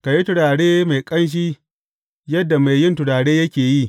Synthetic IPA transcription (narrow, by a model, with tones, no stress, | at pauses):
ka˨ji˦tʊ˨ɽaː˨ɽeː˦ma˨jkʼɐ˦nʃ̬iː˦ | jɐ˦dːa˨ma˨jjɪ˦ntʊ˨ɽaː˨ɽeː˦jɐ˦kʲeː˨ji˦